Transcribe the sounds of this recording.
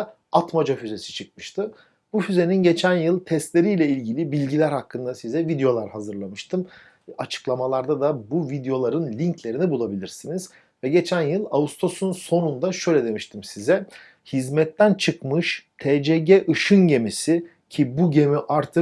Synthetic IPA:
at̪mad͡ʒafyze̞si̥t͡ʃʰɯk̚mɯʃt̪ʰɯ | bufyze̞ninɟe̞t͡ʃʰænjɯlˠt̪ʰɛst̪lʲe̞ɾijlʲɛilʲɟilʲibilʲɟilʲæɾhakʰːɯnd̪asizɛvid̪ejo̞lˠaɾhazɯɾlˠamɯʃt̪ʰɯm | at͡ʃʰɯ̥klˠamalˠaɾd̪ad̪abuvid̪ejo̞lˠaɾɯnlʲiɲcʰlʲe̞ɾinibulˠabilʲiɾsiniz̥ | vɛɟe̞t͡ʃʰænjɯlˠaust̪ʰo̞sunso̞nund̪aʃø̞jlʲɛd̪e̞miʃt̪ʰimsizɛ | hizmɛt̪ːænt͡ʃʰɯkmɯʃt̪ʰeːd͡ʒeːɟɛʔɯʃɯnɟe̞misi | cʰibuɟe̞miʔaɾt̪ʰɯ

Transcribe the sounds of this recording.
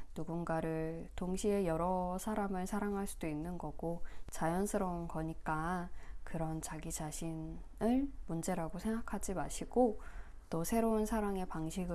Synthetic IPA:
nuɡunɡaɾɯɭtoŋɕʰie̞jʌɾʌsʰaɾamɯɭsʰaɾaŋɦaɭs͈ud̥oinːɯnɡʌɡ̥ot͡ɕajʌnsʰɯɾʌunkʌɲik͈akɯɾʌnt͡ɕaɡid͡ʑaɕʰin | ɯɭmund͡ʑe̞ɾaɡosʰe̞ŋɡakʰad͡ʑimaɕʰiɡ̥o | t͈osʰe̞ɾounsʰaɾaŋe̞paŋɕʰiɡɯ

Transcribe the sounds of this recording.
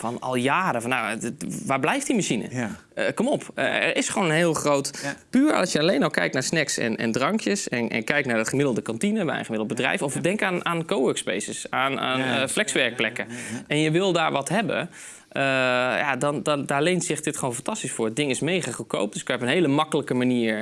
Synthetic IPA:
fɔnɔ̰lˠjaːɾəfɔnːawʋaːɹblɛjftdimaʃinə̰ | əkɔmɔpə̰ɛ̰rɪsχəʋoːnənɦɪːəlˠχrowtpyːɹɑsjəɑlejnɔlˠkɛjknaːɹsnɛksɛ̰nɛ̰ndrɑŋkjəsɛnɛ̰nkɛjknaːɹdətχəmɪdl̩ˠdəkɑntinəbɛ̰jə̰nχəmɪdəl̩ˠd̚əbədrɛ̰jfɔfdɛŋkanaːnkowəkspḛjsəsaːna̰nflɛksʋɛɹk̚plɛkəɛnjəʋɪlˠdaːɹʋɑtɦɛbə̰n | əja̰dɑndɑdaːɹlejntsɪχdɪtχoːnfɑntɑstisfʊːɹdɪŋɪsmejχaχəko̰wp̚d̥əsɪkpənɦejləmɑkələkəmaniːɹ

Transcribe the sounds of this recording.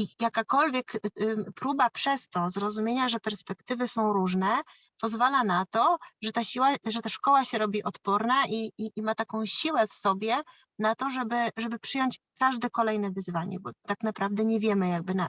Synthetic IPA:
ijakakɔlvʲjɛkpɾubapʂɛst̪ɔzɾɔzumʲjeɲaʐɛpɛɾspɛkt̪ɘvɘsɔ̃w̃ɾuʐnɛ | pɔzvalanat̪ɔʐɛt̪aɕiwaʐɛt̪aʂkɔwaɕɛɾɔbʲiʔɔt̪pɔɾnaʔiiːmat̪akɔ̃w̃ɕiwɛfsɔbʲjɛ | nat̪ɔʐɛbɘʐɛbɘpʂɘjɔɲt͡ɕkaʐd̪ɛkɔlɛjnɛvɘzvaɲɛ̰bɔt̪aknapɾavd̪ɛɲɛvʲjɛmɘjaɡ̚bɘna

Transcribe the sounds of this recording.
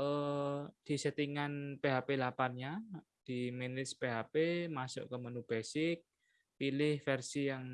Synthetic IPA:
ʔəd̪̥i̤sət̪iŋanpeɦapelapanɲa | d̪̥i̤minɪspeɦapemasʊ̰ʔkəmənub̥ɛsɪk̚ | pilɪhfɛrsijaŋ

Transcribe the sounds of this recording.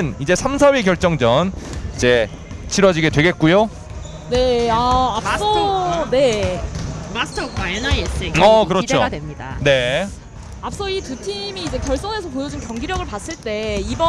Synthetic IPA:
nid͡ʑe̞sʰams̬ʰawikjʌɭt͡ɕ͈ʌŋd͡ʑʌnid͡ʑe̞ | t͡ɕʰiɾwʌd͡ʑiɡe̞dwe̞ɡe̞t̚k͈ujo | ne̞aːps͈ʌne̞ | masʰtʰʌkwaenaieseʌkɯɾʌt͡ɕeoɡadwemɲida̰ne̞ | ap̚s͈ʌitutʰimiːd͡ʑe̞kjʌɭs͈ʌne̞sʰʌpojʌd͡ʑunkjʌŋɡiɾjʌɡɯɭpas͈ɯɭt͈e̞ibʌ

